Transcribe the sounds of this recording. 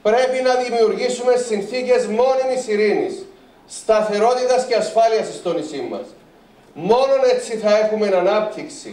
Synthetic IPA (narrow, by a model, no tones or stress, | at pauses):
pɾe̞pinɐðimiuɾʝisume̞sinθice̞zmo̞nimisiɾinḭsː | t̪ɐθe̞ɾo̞t̪it̪ɐsce̞ɐsfɐliɐsist̪o̞nisimːɐ̰s | mo̞no̞ne̞t͡sːiθɐe̞xume̞nɐnɐp̚t̪iksḭ